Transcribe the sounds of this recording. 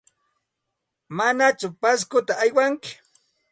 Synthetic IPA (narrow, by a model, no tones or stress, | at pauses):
manat͡ʃʊpas̬kʊt̪aːjwaŋkɪ̥